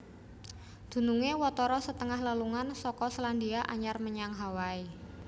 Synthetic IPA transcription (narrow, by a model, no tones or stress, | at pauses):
d̪̥ṳnuŋewɔt̪ɔɾɔsət̪əŋahlaluŋansɔkɔslandiaʔaɲarməɲaŋɦawai